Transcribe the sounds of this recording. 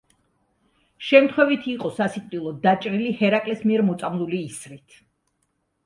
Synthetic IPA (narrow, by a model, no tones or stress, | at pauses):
ʃɛmt̪ʰχwɛvit̪ʰiiːqʼɔsasit̪ʼvilˠɔd̪at͡ʃʼɾilihɛɾakʼlɛsmiɛɾmɔt̪sʼamlˠuliːsɾit̪ʰ